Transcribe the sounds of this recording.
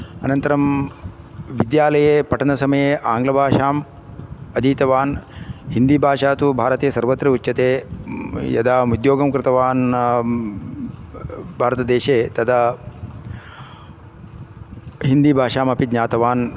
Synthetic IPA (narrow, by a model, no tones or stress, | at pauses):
ɐnɐnt̪ɐɾɐm | ʋid̪jaːlɐjeːpɐʈʰɐnɐsɐmɐjeʔaːŋɡlɐbʱaːʂaːm | ɐd̪iːt̪ɐʋaːnɦind̪iːbʱaːʂaːt̪ubʱaːɾɐt̪iːɐsɐɾʋɐt̪ːɾɐutːɕɐt̪eː | jɐ̰d̪aːmud̪joːɡɐmkɾɪt̪ɐʋaːn | bʱaːɾɐt̪ɐd̪eːʃeːt̪ɐt̪ʰa | ɦind̪ibʱaːʂaːmɐpid̪ɲaːt̪ɐʋaːn